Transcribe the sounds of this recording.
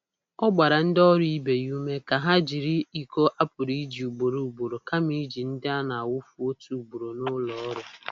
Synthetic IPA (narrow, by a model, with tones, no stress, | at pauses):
ɔ˦ɡ͡ba˨ɾa˨n̩˦dɔ˦ɾʊ˦i˦be˨ju˦me˦ka˨ɦa˦d͡ʒi˨ɾi˦i˦ko˦ʔa˦pʊ˨ɾi˦d͡ʒi˨u˨ɡ͡bo˨ɾo˨u˨ɡ͡bo˨ɾo˨ka˦mi˦d͡ʒi˨n̩˦dɪ˦a˦na˨a˨wʊ˦fu˦o˦tu˦u˨ɡ͡bo˨ɾo˨nʊ˦lɔ˨˦ɾʊ˨